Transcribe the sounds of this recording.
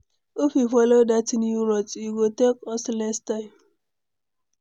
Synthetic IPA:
ofifɔlodatinuɾɔtjuɡotekɔslɛstaɪ̃m

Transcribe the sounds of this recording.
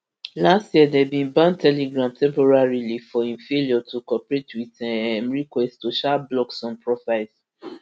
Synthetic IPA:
lastjiɛdɛbĩnbãntʰɛleɡɹãmtʰɛ̃mpɔɹaɹilifɔĩnfeliɔtʰukɔpɹetwitɛ̃nɹikwɛsttuʃablɔksɔ̃npʰɹɔfaɪls

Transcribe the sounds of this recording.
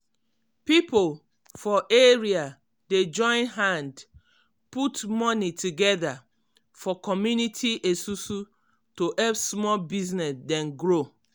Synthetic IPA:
pipol | fɔʔeɹia | ded͡ʒɔ̃ɪ̃nɦãnd | putmɔnitʰuɡɛða | fɔkɔmjunitʰiʔesusu | toʔɛlpsmɔlbiznɛsdɛ̃nɡɾo

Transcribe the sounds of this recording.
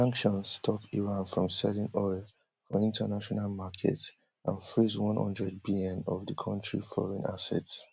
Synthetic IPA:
ãŋkʃɔ̃nsstʰɔpiɹãnfɹɔ̃msɛlĩnɔɪl | fɔĩntʰənaʃɔnalmakʰɛ̰t | ʔãnfɹiswɔ̃nhɔ̰̃ndɹɛd̚bilɛ̃nɔvdəkʰɔ̃ntɹifɔ̰ɹɛ̃nasɛ̰ts

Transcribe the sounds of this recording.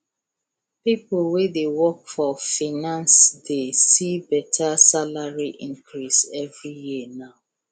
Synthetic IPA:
pipolwedewɔkfɔfinãnsdesibɛtʰasalaɹiʔĩŋkʰɹisɛvɹijiənaʊ

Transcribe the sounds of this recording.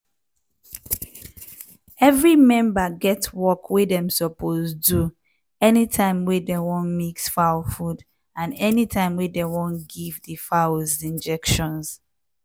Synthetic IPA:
ɛvɹimɛ̃mbaɡɛtwɔkʰwedɛ̃msɔpʰozdu | ɛnitʰãɪ̃mwedɛwɔ̃nmiksfaʊlfud | ãnɛnitʰãɪ̃mwedɛwɔ̃nɡivdifaʊlzĩnd͡ʒɛkʃɔ̃ns

